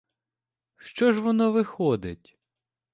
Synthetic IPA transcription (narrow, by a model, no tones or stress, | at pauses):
ʃt͡ʃɔʒʋɔnɔʋɪxɔd̪ɪtʲ